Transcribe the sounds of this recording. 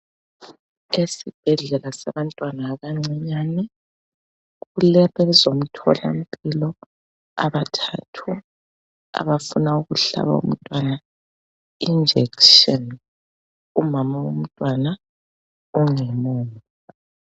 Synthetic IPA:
esib̥ʱɛɮɛlasaβantʼwanaːɣaŋ͡ǀɛɲaːnɛ | ɣulɛβɛzom̩tʰɔ̰la̰m̩pʼilɔ | a̰βatʰatʰu | a̰βafunauɣuɬa̰βa̰ṵm̩tʼwana | ind͡ʒʱɛkʃɔn | umamawum̩tʼwana | uŋɛmoːn | a

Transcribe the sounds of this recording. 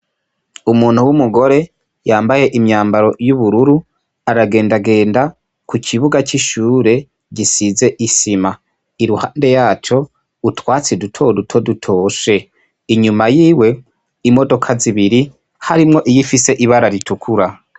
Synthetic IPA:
umuːn̥huwumuɡo̞ɾe̞ | jaːmbaje̞ʔimɲaːmbaɾo̞juβuɾuɾu | aɾaɡe̞ːndaɡe̞ːnda | kukʰiβuɡaciʃuːɾe̞ | ɟisize̞ʔisima | iɾuhaːnde̞jaːt͡ʃo̞ | utwaːt͡sidutʰo̞dutʰo̞dutʰo̞ːʃe̞ | iɲumajiːwe̞ | imo̞do̞kʰaziβiɾi | haɾimŋo̞ʔijifise̞ʔiβaɾaɾitukʰuɾa

